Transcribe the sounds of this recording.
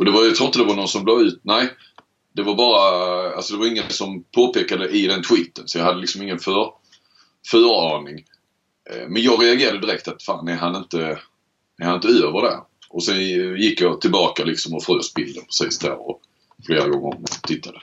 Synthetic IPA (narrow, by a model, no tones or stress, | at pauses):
ɔd̪ɛvajjat̪ɾuːɪnt̪əd̪ɛvaɾnɔnsɔmbloːʉ̟ːt̪̚næɪ | d̪̥ɛvaɾbɑːɾaalsɔd̪ɛvaɾɪŋːənsɔmpʰoːpeːkad̪əʔɪd̪ɛnt̪ʰwiːt̪ənsɔjɑhad̪əlɪksɔmɪŋːənfœɾ | fœːɾɑːnɪŋ̰ | mɛnjɑːɡɾɛaɡeːɾad̪əd̪ɪɾɛk̚t̪at̪faːnæɾɦanɪnt̪ə | æɾhanɪnt̪əøːvəɖæ̰ | ʔɔsɛnjɪkːjɑt̪ʰɪlbɑːkalɪksɔmɔfɾøːsbɪld̪əpʰɾɛ̥siːsd̪æ̰ɾɔ̰ | fleːɾaɡɔŋːə̰mt̪ʰɪt̪ʰːad̪ə